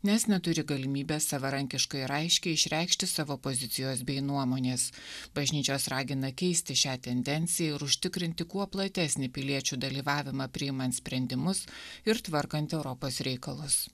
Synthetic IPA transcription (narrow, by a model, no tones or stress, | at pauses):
nʲɛsnʲɛt̪ʊɾʲɪɡɐlʲɪmʲiːbʲeːsɐʋɐɾɐŋʲkʲɪʃkɐɪɾɐɪʃʲkʲɛɪʃʲɾʲɛɪkʃʲt̪ʲɪsɑːʋoːpozʲɪt̪ʲɪjoːsbʲɛɪnuɔmoːnʲeːsb̥ɐʒʲnʲiːt͡ʃʲoːsɾɑːɡʲɪnɐkʲɛɪsʲt̪ʲɪʃʲæːt̪ʲɛnʲd̪ʲɛnʲt̪sʲɪjɛɪɾʊʃʲt̪ʲɪkɾʲɪnʲt̪ʲɪkuɔplˠɐt̪ʲɛsʲnʲɪpʲɪlʲiɛt͡ʃʲuːd̪ɐlʲiːʋɑːʋʲɪmɑːpʲɾʲɪjɪmɐnt̪sʲpʲɾʲɛnʲd̪ʲɪmʊsɪɾt̪ʋɐɾkɐnʲt̪ʲɛʊɾɔpoːsɾʲɛɪkɐlˠʊs